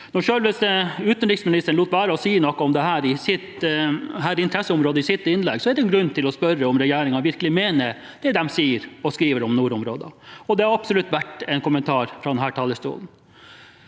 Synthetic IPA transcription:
nɔʂøːlʋɪsd̪ʉːt̪ənɾɪksmɪnɪst̪əɳ̩uːt̪ʋæːɾəɔsiːnɔkːəɔmd̪ɛhæːɾɪsɪt̪ɦæːɾɪnt̪ʰɾɛsːəʊmɾoːd̪əɪsɪt̪ːɪnlɛɡsɔɛd̪ɛɛnɡɾʉnːt̪ʰɪlɔspœɾːəɔmɾɛjeːɾɪŋɑʋɪɾkəlɪmeːnəɾ | d̪̥ɛd̪ɛmsiːəɾɔskɾiːʋəɾɔmnuːɾʊmɾo̰ːd̪ɑ̰ɔd̪ɛhɑɾɑbsɔlʉt̪ːʋæʈɛnkʊmənt̪ʰɑːɾfɾɑd̪ɛnɦæːʈʰɑːləst̪ṵːln̩

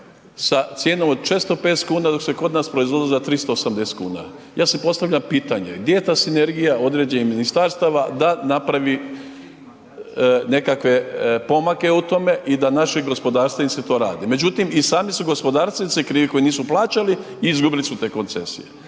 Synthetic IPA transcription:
sat̪sʲjeːnomod̪t͡ʃest̪o̞peːt̪skuːnad̪oksekod̪naːspɾoizʋo̞d̪ilat̪ɾist̪o̞osamd̪est̪kṵːna̰ | jaːsepo̞st̪aʋʎampiːt̪aɲe̞̰ɡd̪jejet̪aːsine̞ɾɡijaʔo̞d̪ɾe̞ːd͡ʑeniminist̪aɾst̪aʋad̪anapɾaʋi | ne̞kakʋe̞po̞make̞ut̪o̞me̞ʔid̪anaʃiɡo̞spo̞d̪aːɾst̪eniset̪o̞ːɾa̰ːd̪ime̞d͡ʑut̪imisaːmisuɡo̞spo̞d̪aːɾst̪ʋenit̪ekɾiːʋikojniːsuplˠaːt͡ʃali | iizɡubilisut̪e̞ːko̞nt̪se̞̰sḭje

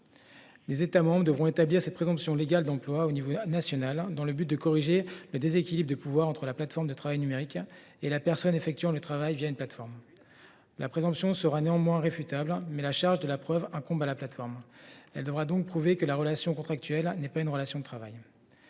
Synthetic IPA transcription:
lezet̪amɑ̃bʁəd̪əvʁɔ̃et̪abliʁsɛt̪̚pχezɑ̃psjɔ̃leɡald̪ɑ̃plwaonivonasjɔnald̪ɑ̃ləbyt̪̚d̪əkɔʁiʒeləd̪ezekʲilibʁd̪əpuvwaʁɑ̃t̪χəlaplat̪fɔʁmd̪ət̪χavajnymeʁik | elapɛʁsɔnefɛk̚t̪ɥɑ̃lət̪χavajvjaynplat̪fɔʁm | lʔapχezɑ̃psjɔ̃səʁaneɑ̃mwɛ̃ʁefyt̪ablmɛlaʃaʁʒd̪əlapχœvɛ̃kɔ̃balaplat̪fɔʁmɛld̪əvʁad̪ɔ̃k̚pχuvekəlaʁəlasjɔ̃kɔ̃t̪χak̚t̪ɥɛlnɛpazynʁəlasjɔ̃d̪ət̪χavaj

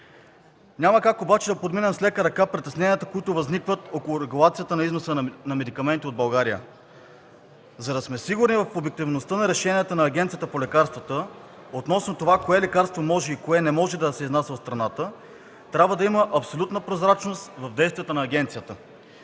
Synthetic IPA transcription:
ɲʲaməkakobat͡ʃɛd̪ɐpod̪minɛmslɛkəɾɐkapɾit̪ɛsnɛnijət̪əkoit̪ʊvɐznikvət̪okolˠʊɾɛɡulˠat̪sijət̪ənɐiznosənɐmɛd̪ikɐmɛnt̪iod̪bɐlˠɡaɾijə̰ | zɐd̪ɐsmɛsiɡʊɾnivɐfobjɛk̚t̪ivnost̪ənɐɾɛʃɛnʲijət̪ənɐːɡʲɛnt̪sijət̪əpolɛkaɾst̪vət̪ə | ot̪nɔsnot̪ovakoɛlɛkaɾst̪vomɔʒɛikoɛnɛmɔʒɛd̪ɐsɛiznasʲvɐt̪st̪ɾɐnat̪ə | t̪ɾʲabvəd̪ɐiməʔɐpsolʲut̪nəpɾozɾat͡ʃnost̪vɐvd̪ɛjst̪vijət̪ənɐːɡ̟ɛnt̪sijət̪ə

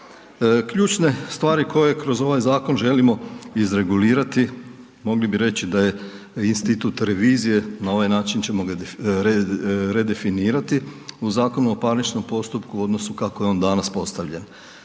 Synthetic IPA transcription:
kʎuːt͡ʃne̞st̪ʋaːɾiko̞je̞kɾo̞zo̞ʋajzaːko̞nʒe̞limo̞izɾe̞ɡuliːɾat̪i | mo̞ɡlibiɾe̞t͡ɕid̪aje̞ | inst̪it̪uːt̪ɾe̞ʋiːzije̞nao̞ʋajnaːt͡ʃint͡ɕe̞mo̞ɾɾe̞d̪e̞finiːɾat̪iuzaːko̞nuopaɾnit͡ʃno̞mpo̞st̪upkuo̞d̪no̞sukako̞jeo̞nd̪anaspo̞st̪aʋʎe̞n

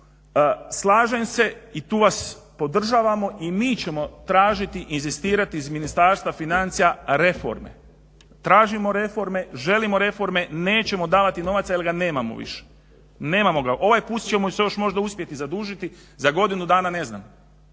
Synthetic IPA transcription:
slˠaːʒemse̞it̪uːʋaspo̞d̪r̩ʒaʋamo̞ʔimiːt͡ɕe̞mo̞t̪ɾaːʒit̪iʔinzist̪iːɾat̪iːzminist̪aːɾst̪ʋafinant̪sijaɾe̞fo̰ɾme̞̰ | t̪ɾaːʒimo̞ɾe̞fo̞ɾme̞ʒe̞limo̞ɾe̞fo̞ɾme̞ne̞ːt͡ɕe̞mo̞d̪aːʋat̪ino̞ʋat̪sajelɡane̞ːmamo̰ʋḭʃe̥ | ne̞ːmamo̞ɡaʔo̞ʋajpuːt̪t͡ɕe̞mosejo̞ʃmo̞ʒd̪auspje̞t̪izad̪uːʒit̪i | zaɡo̞d̪inud̪aːnane̞zna̰ːm

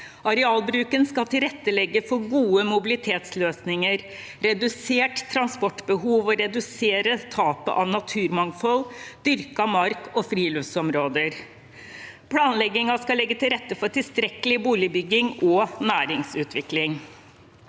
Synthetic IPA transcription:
ɑɾɛɑːlbɾʉːkənskɑlt̪ɪlɾɛt̪ːəlɛɡːəfɔɾɡuːəmʊbɪlɪt̪ʰeːt̪sløːsnɪŋəɾ | ɾɛd̪ʉseːʈt̪ʰːɾɑnspɔʈːbəɦuːʋɔɾɛd̪ʉseːɾət̪ʰɑːpə̰ʔɑʋnɑt̪ʰʉːɾmɑŋfɔld̪̥ʏɾkɑmɑɾkɔfɾiːløʋsɔmɾoːd̪əɾ | pʰlɑːnlɛɡːɪŋɑskɑlɛɡːət̪ʰɪlɾɛt̪ːəfɔʈɪlst̪ɾɛkəlɪbuːlɪbʏɡːɪŋɔnæːɾɪŋsʉːt̪ʋɪklɪŋ

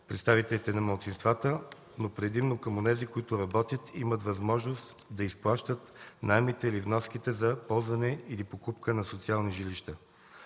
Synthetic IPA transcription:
pɾɛ̰t̪st̪avit̪ɛlit̪ɛnɐmɐlˠt̪sinst̪vat̪ə | nopɾɛd̪imnokəmonɛzikoit̪ʊɾɐbɔt̪ʲjət̪imət̪vɐzmɔʒnost̪ | d̪ɐisplˠaʃt̪ət̪naɛmit̪ɛlivnɔskʲit̪ɛzɐpɔlˠzvɐnɛilipokupkənɐsot̪sialˠniʒiliʃt̪a

